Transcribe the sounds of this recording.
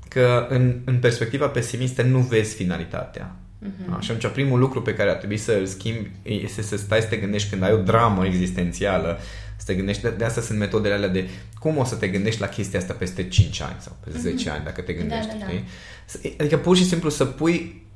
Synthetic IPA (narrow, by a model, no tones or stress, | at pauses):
kəɨnɨnpe̞rspe̞k̚t̪ivape̞simist̪ənuve̞zʲfinalit̪a̰t̪ea̰ | a̰ʃat̪umit͡ʃoapɾimulukɾupe̞kaɾeart̪ɾe̞buisəlskʲimbʲ | est̪esəst̪ajsə̥t̪e̞ɡɨnd̪e̞ʃt̪̚ʲkɨnd̪ajo̞d̪ɾaməeɡzist̪e̞nt̪sialə | sə̥t̪e̞ɡɨnd̪e̞ʃt̪d̪east̪jasɨnt̪me̞t̪o̞d̪e̞lealead̪e̞ | kumo̞sət̪e̞ɡɨnd̪e̞ʃt̪lakʰʲe̞st̪iaast̪ape̞st̪e̞t͡ʃint͡ʃʲa̰nʲsa̰wpest̪ezet͡ʃea̰nʲd̪a̰kət̪e̞ɡɨnd̪eʃt̪ʲʃt̪i | sad̪ikəpurʃisimplusəpuj